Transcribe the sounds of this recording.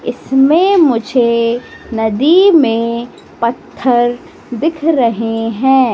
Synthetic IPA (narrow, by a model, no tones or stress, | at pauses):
ɪsmẽmʊd͡ʒʱenɐd̪imẽ | pɐt̪ʰːəɾ | d̪ɪkʰɾɐɦeɦɛ̃ː